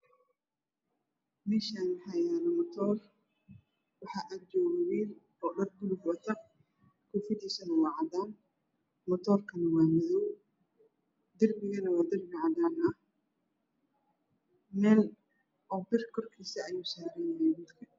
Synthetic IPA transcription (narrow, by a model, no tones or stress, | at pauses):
mɛːʃaːnħajaːnɐmɔt̪ʰɔːr | wɑħɑːʔaːd̪̚d͡ʒɔːɣɐβiːl | ɔːɗɐr̚bʊlʊɡwɐt̪ʰɐ | kʰʊfɪd̪iːsɐnɐwɑːʕɑd̪aːn | mɔt̪ʰɔːrkʰɐnɐwɑːmɪðɔw | d̪ɪrbɪɣɐnɐwɑːd̪ɪrbɪʕɑðaːnɐh | mɛːl | ʔɔːbɪrkʰɔrkʰiːsɐːjuːsaːɾɛnajɛmɐd̪kʰɐ